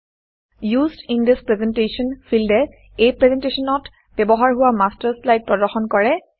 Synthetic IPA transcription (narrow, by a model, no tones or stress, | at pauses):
jusdindispɹɛzɛntesɔnpʰildɛ | ejpɹɛzɛntesɔnɔt | b̥ɛbɔɦaɹɦʊwamastaɹslajd̚pɹɔdɔɹxɔnkɔɹɛ